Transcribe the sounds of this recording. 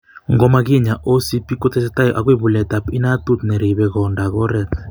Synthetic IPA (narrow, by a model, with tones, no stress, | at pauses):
ŋɡɔ˨˦ma˦k̬i˦ɲa˨ʔo˦si˦pi˦kɔ˦tʰɛ˦s̬ɛta˦jɔ˨ʔak̬we˦βu˨lɛ˨ta˨pi˦nat̪u˦t̪nɛ˨ɾi˨βɛkɔ˨nda˨kɔ˦ɾɛ˨t